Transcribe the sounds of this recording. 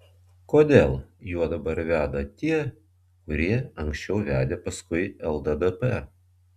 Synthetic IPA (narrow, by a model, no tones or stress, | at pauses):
koːd̪ʲeːlˠjuɔd̪ɐbɐɾʋʲæːd̪ɐt̪ʲiɛ | kʊɾʲiɛɐŋksʲt͡ʃʲɛʊʋʲæːd̪ʲeːpɐskʊɪɛlˠd̪ɐd̪ɛpɛ